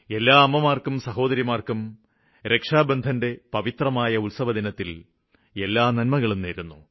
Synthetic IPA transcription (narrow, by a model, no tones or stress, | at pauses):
e̞lːaːɐmːɐmaːrkumsɐɦo̞ːd̪ɐɾjiɐmaːrkum | ɾʔe̞kʂaːbend̪ʱɐnde̞pɐʋit̪rɐmaːjɐulsɐʋɐd̪inɐt̪ːil | e̞lːaːnɐnmɐɣɐɭumneːɾunːu